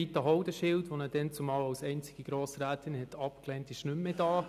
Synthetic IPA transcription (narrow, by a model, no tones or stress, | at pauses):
itəɦɔʊdəʃɪltʋonəd̥ɛnt͡sumɑːlawsɛɪnt͡sɪɡ̥iɡ̥ɾoːsɾæːt̪ʰɪnhɛtʰɑpklɛːntɪʃnʏmːedɑː